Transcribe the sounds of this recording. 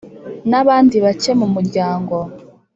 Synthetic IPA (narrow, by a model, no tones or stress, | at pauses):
naβaːndiβacemumuɾɟaːŋɡo